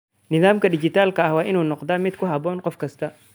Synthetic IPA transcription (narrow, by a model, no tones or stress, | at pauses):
nɪðaːmkɐdɪt͡ʃɪt̪aːlkɐɐhwaːʔɪnuːnɔqd̪aːmɪd̪kʰʊɦɐbɔːnqɔfkʰɐst̪ʰɐ